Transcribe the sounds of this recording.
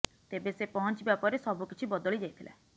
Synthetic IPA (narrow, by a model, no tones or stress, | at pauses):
t̪ebesepɔɦɔnt͡ʃibjapɔɾesɔbʱukit͡ʃʰibɔd̪oɭid͡ʒajt̪ʰilʔa̰